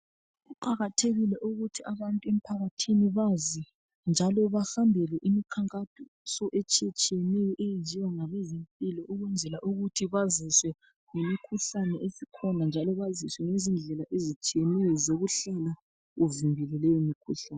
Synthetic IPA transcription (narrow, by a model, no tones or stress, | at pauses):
ɣuǃaɣatʰeɣilɛʔuɣutʰiʔaβantʼuem̩pʰaɣatʰiniβazi | nd͡ʒʱalɔβaxambʱɛlɛʔimikʰaŋkʼatʰɔ | sɔʔɛt͡ʃʼiɛt͡ʃʼijɛnɛjɔʔejend͡ʒʱiwaŋaβezempʼilɔʔuɣwɛnd͡zʱɛlaʔuɣutʰiβaziswɛ | ŋemikʰuɬanɛʔesikʰɔnand͡ʒʱalɔβaziswɛŋezind͡ɮʱɛlaʔezit͡ʃʼijɛnɛjɔzoβuɬala | ɣuvimbʱɛlɛlɛjɔmikʰuɬaːnɛ